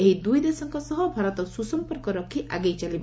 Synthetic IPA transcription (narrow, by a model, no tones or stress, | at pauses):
eɦid̪ujd̪esɔŋkɔsɔɦɔbʱaɾɔt̪ɔsusɔmpɔɾkɔɾɔkʰːiʔaɡejt͡ʃalibɔ